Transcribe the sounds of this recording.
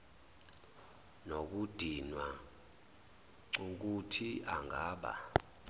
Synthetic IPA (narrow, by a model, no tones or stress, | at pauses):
nok̬ud̥ʱinwa | ŋ͡ǀuk̬utʰiaŋɡʱaːɓa̰